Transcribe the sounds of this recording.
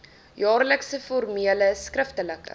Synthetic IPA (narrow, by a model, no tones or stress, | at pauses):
jɑːrləksəfɔrmiələskrəftələkə̰